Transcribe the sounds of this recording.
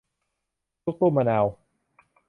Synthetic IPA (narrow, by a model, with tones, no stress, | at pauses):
tu˦˥˦k̚t̪uː˥˩ma˧na˧w